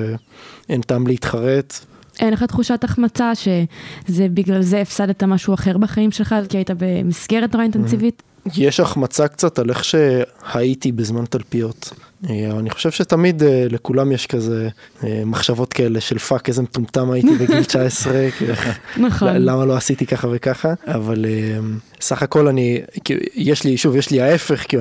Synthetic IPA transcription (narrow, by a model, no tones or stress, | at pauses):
eent̪aːmleit̪χaʁet̪ | ʔenleχat̪χuʃataχmat͡saʃe̞zebiɡlalzeːfsadet̪amaʃuaχe̞ʁbaχaimʃelχalkiaitabemisɡeʁetoʁaint̪ensivit | jeʃaχmat͡sakt͡sat̪aleχʃe̞hait̪ibezmant̪alpijo̞t̪eaniχoʃe̞vʃet̪amid̪elekulamjeʃkazeemaχʃavo̞t̪kae̞leʃelfakezemtumt̪amajit̪ibeɡilt͡ʃaesʁekenχlamaloasit̪ikaχavekaχaːvalem | saχako̞lanikijeʃliʃuvjeʃliae̞fe̞χki